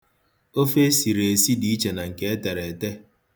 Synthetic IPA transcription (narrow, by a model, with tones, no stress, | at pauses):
o˦fe˦si˨ɾe˨e˨si˦di˦i˦t͡ʃe˨na˨ŋ̩˨ke˦e˦te˨ɾe˨te˦